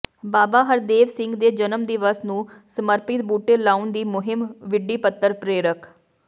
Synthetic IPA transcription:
baːbaːɦəɾd̪eːʋsɪ̃ŋɡd̪eːd͡ʒənəmd̪iʋəsnũːsəməɾpɪt̪̚buːʈeːlaːund̪iːmʊɦɪmʋɪɖːiːpət̪ːəɾpɾeːɾək

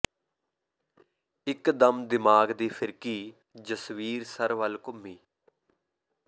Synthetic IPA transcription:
ɪkd̪əmd̪ɪmaːɡd̪iːpʰɪɾkiː | d͡ʒəsʋiːɾsəɾʋəlkʊmːiː

